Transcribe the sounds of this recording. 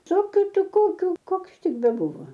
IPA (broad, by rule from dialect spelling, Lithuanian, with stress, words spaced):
ˈsoːkʲʊ ˈtʲɪ ˈkoːkʲʊ ˈkoːks ˈtʲɪk bʲɛˈbuːʋoː